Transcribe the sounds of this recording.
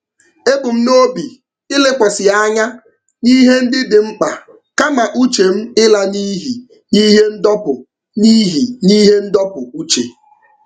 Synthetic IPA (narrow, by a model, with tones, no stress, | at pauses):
e˦bʊ˨m̩˦no˦bi˨ | ɪ˦le˦kʷɔ˨sɪ˨a˦ɲa˦ | ni˦ɦe˦n̩˦dɪ˦dɪ˨ŋ͡m̩˦k͡pa˨ | ka˦ma˨ʔu˦t͡ʃe˨m̩˦ɪ˦la˦niː˦ɦi˨ | ni˦ɦe˦n̩˦dɔ˦pʊ˨ | ni˦ɦi˨ni˦ɦe˦n̩˦dɔ˦pʊ˨u˦t͡ʃe˨